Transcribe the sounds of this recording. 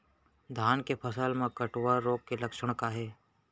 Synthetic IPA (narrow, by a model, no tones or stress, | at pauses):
d̪ʱaːnkepʰɐsəlmẽkəʈwaːoːɡ̚kelɐkʃəɽ̃kaɦɛː